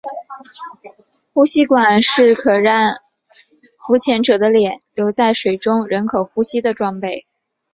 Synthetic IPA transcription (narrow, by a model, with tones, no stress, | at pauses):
xu˥ɕi˥kwa˨˩nʂɻ̩˥˩kʰɤ˨˩ɻa˥˩n | fu˧˥t͡ɕʰjɛ˧˥nʈ͡ʂɤ˨˩d̪ə˦ljɛ˨˩˦nljo˧˥ʊt͡sa˥˩ɪʂwe˨˩ɪʈ͡ʂʊ˥ŋɻə˧˥nkʰɤ˨˩xu˥ɕi˥d̪ə˨ʈ͡ʂwɑ˥˧ŋpe˥˩ɪ